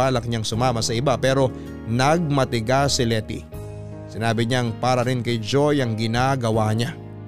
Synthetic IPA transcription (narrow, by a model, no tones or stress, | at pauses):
aːlɐk̚ɲaŋsʊmaːmɐsɐɪbapɛːɾo̞ | nɐɡ̚mɐt̪ɪɡasɪlɛt̪ḭ | sɪnaːbɪɲaŋpaːɾɐɾɪnkɐjd͡ʒo̞jɐŋɡɪnaːɡɐwaɲa